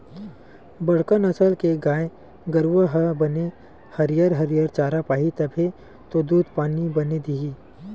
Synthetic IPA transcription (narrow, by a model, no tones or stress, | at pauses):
bɐɽ̤kənɐsəlkeɡaːe | ɡəɾʋəɦəbɐne | hɐɾijəɾɦɐɾijəɾt͡ʃaːɾapaːɦit̪ɐbʱe | t̪od̪uːd̪ʱpaːnibɐned̪iɦiː